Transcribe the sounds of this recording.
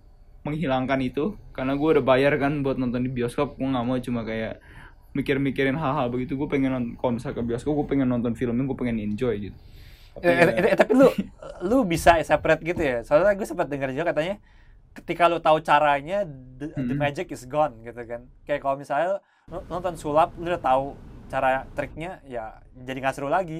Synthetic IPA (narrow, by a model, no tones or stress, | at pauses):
məŋɦilaŋkanit̪ukarnaɡuaudabajarkanbuat̪̚nɔnt̪ɔndibiɔskɔp̚ɡuaŋamat͡ʃumakajaʔ | mikɪrmikɪɾɪnɦalɦalbəɡit̪uɡuapɛŋɛnɔkalmisakabiɔskɔp̚ɡuɛpɛŋɛnːɔnt̪ɔnfiləmjaɡuɛpɛŋɛniɲd͡ʒɔjɡit̪u̥ | at̪apilulubisaɛsapɾɛt̪̚ɡit̪ujasaaaɡuasəmpat̪̚dəŋərd͡ʒuakat̪aɲa | kə̥t̪ikalut̪aut͡ʃaɾaɲadəmad͡ʒɪkɪsɡɔnɡit̪ukankajakalomisaɪl | nnɔnt̪ɔnsulap̚ludat̪aut͡ʃaɾat̪ɾɪk̚ɲajad͡ʒadiŋasɾulaɡi